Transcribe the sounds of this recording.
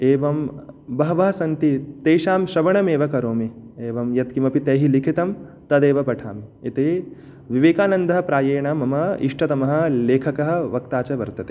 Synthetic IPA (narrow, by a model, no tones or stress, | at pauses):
eːʋɐmbɐɦɐʋɐɦɐsɐnt̪it̪ejʃaːmʃɾɐʋɐɳɐmeːʋɐkɐɾoːmieːʋɐmjɐt̪kimɐpit̪eːɦilikʰit̪ɐm | t̪ɐd̪eːʋɐpɐʈʰa̰ːmiːt̪eː | ʋiʋeːkaːnɐnd̪ɐɦɐ̆pɾaːjeːɳɐmɐmɐiʂʈɐt̪ɐmɐɦɐ̆leːkʰɐkɐɦɐ̆ʋɐk̚t̪aːt͡ʃɐʋɐɾt̪ɐt̪eː